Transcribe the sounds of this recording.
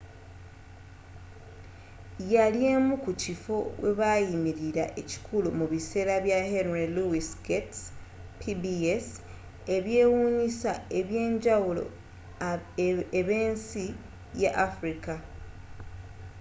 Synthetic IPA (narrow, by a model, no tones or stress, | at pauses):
jalje̞mukucifo̞we̞̰βajimiɾiɾa̰ʔe̞ci̥kʰulumuβise̞ːɾaβjahenɾiluisket | pʰibies | e̞βje̞ːwuːɲisa̰e̞βje̞ːɲɟawulo̞̰ | eβe̞ːnsi | jaʔafɾika